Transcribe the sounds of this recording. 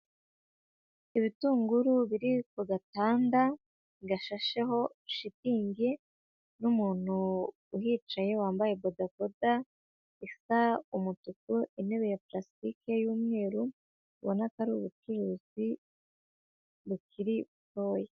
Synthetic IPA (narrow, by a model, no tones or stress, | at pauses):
iβituːŋɡuɾuβiɾikoɡataːnda | ɡaʃaʃeɦo̞ʃitiːɲɡe̞ | numuːn̥huː | ɦiːt͡ʃaje̞waːmbaje̞bodakoda | isaumututuʔine̞βejaplastikejuːmŋe̞ːɾu | βonakaɾiuβut͡ʃuɾuzi | βukʰiɾiβuto̞ːje